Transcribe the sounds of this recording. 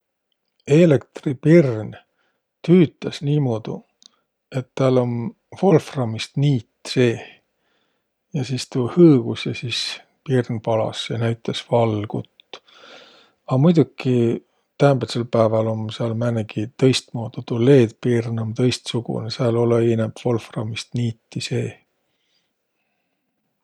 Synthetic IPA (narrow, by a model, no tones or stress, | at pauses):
e̞lekt̪ripirn | t̪yːt̪ˑɑsniːmo̞ːd̪̥ṵ | e̞t̪ːælo̞n | fo̞lfrɑmist̪niːt̪se̞ː | jɑsiːst̪uhɤːɡ̥usjɑsiːs | pirnpɑlɑ̰sjɑnæjt̪ːˑesvɑlɡ̥ṵt̪ː | ɑmujd̪uki | t̪æmbet̪selpæːvɑlo̞mseɑlmæneɡit̪ɤ̞jst̪moːd̪̥ut̪ule̞ːd̪pirnont̪ɤ̞jst̪suɡ̥ṵneseɑlo̞leinepfo̞lfrɑmist̪niːt̪ˑːise̞ː